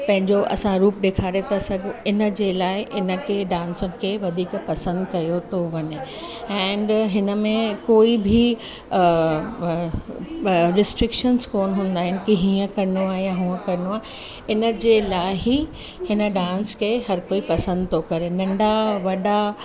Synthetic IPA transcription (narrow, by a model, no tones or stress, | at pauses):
pɐ̃ɦɪ̃ɲd͡ʑoʔɐ̰sãɾuːpɗeːkʰaːɾet̪ʰasɐɡʱɪnə̆d͡ʑelaːɪɪʔɪnə̆kʰeɖãːnsʊnɪ̆kʰeʋɐd̪ʱiːkpɐsə̃nd̪kɐjot̪ʰoʋɐɲe | ɛ̃ːɳɖɦɪnə̆mẽkoːibʱi | ɾɪsʈɾɪkʃənzkoːnɦũːn̆d̪aːɦɪnɪkiɦĩːə̃kɐɾɪnoaːjaɦũːə̃kɐɾɪnoaːɪ | ɪnə̆d͡ʑelaːɦi | hɪnə̆ɖãːnskʰeɦɐɾkoːipɐsə̃nd̪ʱt̪ʰokɐɾenɐ̃ɳɖaʋɐɗa